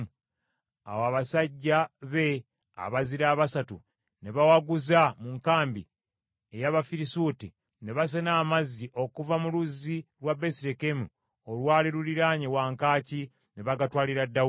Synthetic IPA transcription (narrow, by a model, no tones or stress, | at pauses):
a̰waːβasaɟːaβe̞ | a̰βaziɾaːβasatu | ne̞βawaɡuzamuŋkaːmbḭ | e̞jaβafiɾisuti | ne̞βas̬enaːmazːiʔo̞kuvamuluziɾwabesiɾekemu | olwaːliɾuliɾaɲewaːŋkaːci | ne̞βaɡatwaːliɾadːa